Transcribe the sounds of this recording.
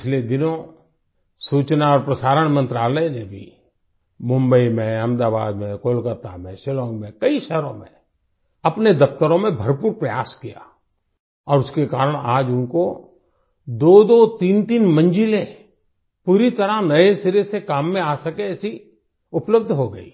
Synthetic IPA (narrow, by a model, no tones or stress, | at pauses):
ɪt͡ʃʰled̪ɪnõ | suːt͡ʃnaɔːɾpɾəsaːɾəɽ̃mə̃nt̪ɾaːləenebʱḭ | mʊ̃mbəimẽɐmd̪aːbaːd̪mẽkoːlkət̪amẽʃɪlɔ̃ːŋɡmẽkəiʃɛɦɾõmḛ̃ | ɐpned̪ɐft̪əɾõmẽbʱəɾpuːɾpɾəjaːskija̰ | ɔːɾʊskekaːɾəɽ̃aːd͡ʒʊnko | d̪oːd̪ot̪iːnt̪iːnmə̃nd͡ʒɪle | puːɾit̪əɾanɐesɪɾesekaːmːẽaːsəkeɛːsi | ʊpləb̚d̪ʱɦoɡəḭː